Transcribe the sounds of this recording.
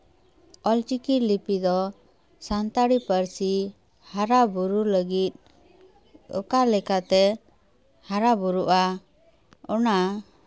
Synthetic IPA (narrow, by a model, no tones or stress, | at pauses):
ɔlt͡ʃikiɾlipid̪ɔ | sant̪aɽipəɾsi | haɾabuɾuləɡit̪̚ | ɔ̰kalɛkat̪ɛ | haɾabuɾuʔa | ɔna